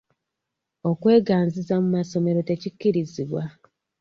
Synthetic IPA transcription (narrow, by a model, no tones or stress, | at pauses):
o̞kwe̞ːɡaːnzizamumaso̞me̞ɾo̞te̞cicːiɾiziβwa